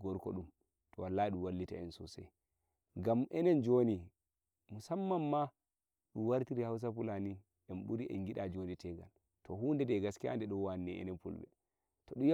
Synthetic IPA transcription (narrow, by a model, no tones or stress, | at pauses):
ɡɔɾkɔ̰ɗum | tɔwalːaːiɗumwalːita̰ɛnsṵsɛ̰ | ɡamʔɛnɛnd͡ʒoni | musamːamːa | ɗuwaɾtiɾihaws̬afulani | ʔɛnɓuɾiʔɛ̰ŋɡiɗad͡ʒonitɛɡa̰l | tʰɔhuːndɛdɛɡaskia̰ndɛɗɔwanːɛɛ̰nɛnpṵlbɛ̰ | tɔɗuj